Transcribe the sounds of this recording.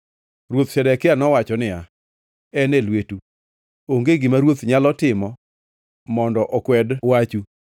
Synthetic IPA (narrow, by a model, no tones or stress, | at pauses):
rwot̪ʃɛdɛkɪanɔwat͡ʃɔnɪa | ɛnelwetu | oŋɡeɡɪmaɾwot̪ɲalɔtɪmɔ | mɔndɔʔɔkwɛdwat͡ʃu